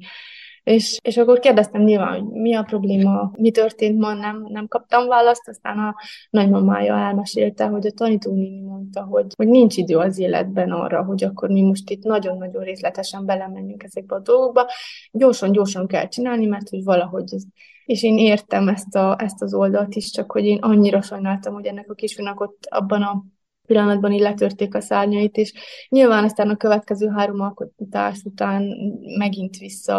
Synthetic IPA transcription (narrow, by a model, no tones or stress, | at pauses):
eːʃeːʃɒkːo̞rkeːrd̪ɛst̪ɛmɲiːlva̰ːnho̞̰ɟmiɒpro̞bleːmɒmit̪ørt̪eːnt̪mɒnɛmnɛmkɒp̚t̪ɒɱvaːlɒst̪ɒst̪a̰ːnɒnɒɟmɒma̰ːjɒ̰ɛlmɛʃeːlt̪ɛɦo̞ɟɒt̪ɒniːt̪oːniːnimo̞nt̪ɒɦo̞ɟho̞ɟniɲt͡ʃid̪øːɒzeːlɛ̰d̪bɛnɒ̰rːɒ̰ɦo̞ɟɒkːo̞rmimo̞ʃt̪it̪nɒɟo̞nːɒɟo̞nreːslɛt̪ɛʃɛmbɛlɛmɛɲyŋkɛzɛɡ̚bɛɒd̪o̞lɡoɡ̚bɒɟo̞ːrʃɒɲɟo̞ːrʃɒŋkɛ̰lt͡ʃinaːlnimɛrt̪ho̞ɟvɒlɒɦo̞ɟ | eːʃeːneːrt̪ɛmɛst̪ɒɛst̪ɒzo̞ld̪ɒlt̪iʃt͡ʃɒkho̞ɟeːnʔɒɲːiɾɒʃɒjnaːlt̪ɒmho̞ɟɛnːɛkɒkiːʃfyrnɛko̞t̪ːɒ̰bːɒnɒ | pilːɒnɒd̪̚bɒnilɛt̪ørt̪eːkɒsaːrɲɒit̪eːʃɲilvaːnɒst̪aːnɒkøvɛt̪kɛzøːɦaːɾo̞mɒlkot̪a̰ːʃut̪aːnmɛɡint̪ʋisːɒ̰